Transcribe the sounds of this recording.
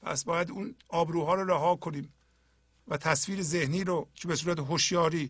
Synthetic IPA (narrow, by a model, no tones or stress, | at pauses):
pʰæ̰sbɒːjæd̪uːnɒːbɾuːɦɒːɾoɾæɦɒːkʰoniːm | væt̪ʰæsfiːɾeze̞hniːɾot͡ʃʰebe̞suːɾæt̪eɦoʃjɒːɾiː